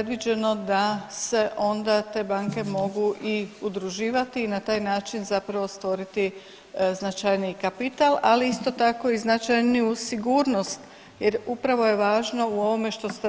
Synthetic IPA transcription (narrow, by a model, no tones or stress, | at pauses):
ed̪ʋid͡ʑe̞no̞d̪ase̞ʔo̞nd̪at̪e̞ːbaːŋke̞mo̞ɡuʔiud̪ɾuʒiːʋat̪iːnat̪aːjnaːt͡ʃinzapɾaʋo̞st̪ʋo̞ɾit̪i | znat͡ʃajnikapit̪alaliist̪o̞t̪ako̞iznat͡ʃajniusiɡuːɾno̞st̪ | jeɾupɾaʋo̞je̞ʋaːʒno̞uo̞ʋo̞me̞ʃt̪o̞st̪